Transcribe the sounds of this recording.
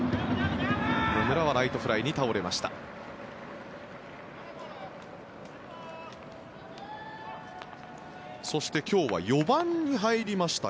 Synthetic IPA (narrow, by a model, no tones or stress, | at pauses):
momɯ̟ɾaβ̞aɾait̪o̞ɸɯ̟ɾaiɲ̟it̪ao̞ɾe̞maɕi̥t̪a̰ | so̞ɕi̥t̪e̞kʲo̞ːβa̰jo̞bãɲ̟ɲiɦaiɾʲimaɕi̥t̪a